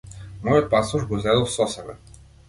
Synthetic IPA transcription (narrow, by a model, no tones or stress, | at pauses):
mɔjot̪̚pasuʒɡozɛd̪ɔlˠsɔsɛbɛ̰